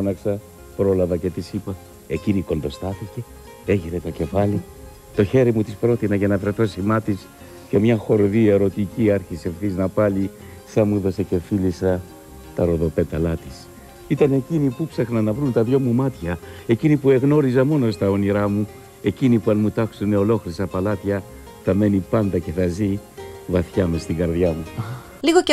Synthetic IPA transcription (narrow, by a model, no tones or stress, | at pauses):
ɐnɐksɐ | pɾo̞lɐvɐce̞t̪isipɐ | e̞ciniko̞nd̪o̞st̪ɐθice̞ | e̞ʝiɾet̪o̞ce̞fɐli | t̪o̞çe̞ɾimut̪ispɾo̞t̪inɐʝɐnɐvɾeθo̞simɐt̪is | ce̞mɲɐxo̞ɾðieɾo̞t̪iciɐɾçise̞fθiznɐpɐli | sɐmuðo̞sece̞filisɐ | t̪ɐɾo̞ðo̞pe̞t̪ɐlɐt̪i̥s | it̪ɐne̞cinipupsɐxnɐnɐvɾunt̪ɐðʝo̞mumɐt̪çɐe̞cinipue̞ɣno̞ɾizɐmo̞no̞st̪ɐoniɾɐmu | e̞cinipuɐnmut̪ɐksuneo̞lo̞xɾisɐpɐlɐt̪çɐ | θɐme̞nipɐnd̪ɐce̞θɐzivɐθçɐmest̪iŋɡɐɾðjɐmu | liɣo